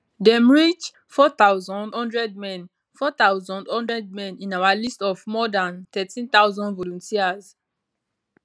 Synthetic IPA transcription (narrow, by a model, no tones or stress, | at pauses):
dɛmɹit͡ʃ | fɔt̪aʊzɔ̃ndhɔ̃ndɹɛd̚mɛ̃n | fɔt̪aʊzɔ̃ndhɔ̃ndɹɛd̚mɛ̃nĩnawalistɔfmɔdãnt̪ɛtĩnt̪awzɔ̃ndvɔlũntʰiaz